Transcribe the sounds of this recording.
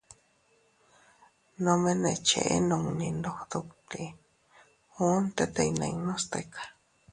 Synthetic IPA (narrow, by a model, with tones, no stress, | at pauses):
nõ˧mẽ˦nẽ˧t͡ʃḛ˨ʔḛ˦nõ˧ŋnĩ˧nd̪o˧hd̪u˧kt̪i˨ | u˦nt̪e˦t̪e˧nã̰˧inõ˦st̪e˧kʰḁ˨